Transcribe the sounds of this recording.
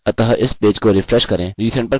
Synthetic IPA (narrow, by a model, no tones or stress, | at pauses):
ɐt̪aɦʔɪspeːd͡ʒkoɾɪfɾɛʃkɐɾẽːɾiːsʰɛ̃ɳʈpɐɾ